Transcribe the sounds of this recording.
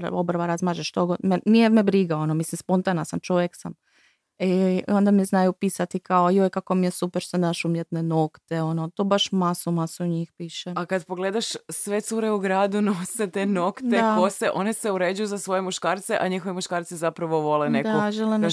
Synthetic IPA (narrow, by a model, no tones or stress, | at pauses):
ɾ̰obɾʋaɾazmaːʒeʃt̪oɡod̪menijemebɾiɡaonomislimspo̞nt̪anasamt͡ʃo̞ʋjeksam | io̞nd̪amiznajupiːsat̪ikaojojkako̞mijesupeɾsand̪aʃumjet̪neno̞kt̪eo̞not̪oːbaʃmasumasuuɲixpiːʃeakad̪poɡled̪aʃsʋet̪suɾeuɡɾaːd̪unoset̪enokt̪dekoseʔo̞neseuɾed͡ʒujuzasʋo̞jemuʃkaːɾt̪seʔaɲixoʋimuʃkaːɾt̪sizapɾaʋoʋo̞lenedkoʒelim